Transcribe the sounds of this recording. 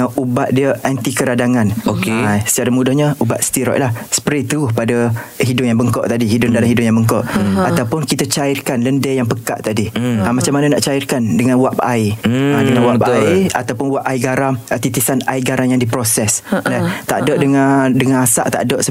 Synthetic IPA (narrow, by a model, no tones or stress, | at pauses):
aubaʔ̪̚diəʔant̪ikəɾadaŋãnokesə̥t͡ʃaɾamũdʊhɲaubaʔ̪st̪iɾɔ̰ʔlahsə̥pɾet̪uʊhpadaɦidʊpjaŋbəŋkɔʔt̪adiɦidʊdalamɦidʊpjãŋbəŋkɔʔat̪awpʊnkit̪ət͡ʃaɪrkanləndɛjaŋpəka̰ʔt̪adiamat͡ʃamananaʔt͡ʃaɪrkandəŋanwaʔpajadəŋanwaaa̰t̪awpʊnwaʔaiɡaɾamət̪it̪isanajɡaɾaŋjaŋdipɾosɛsdɛt̪a̰ʔdɔʔdəŋadəŋanasa̰ʔt̪a̰ʔdɔʔsə